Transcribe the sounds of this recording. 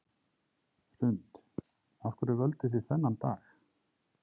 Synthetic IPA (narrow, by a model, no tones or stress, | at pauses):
sʏnt̪ | aθkʰʏɾʏvœlt̪ɪθiθɛnːant̪aːx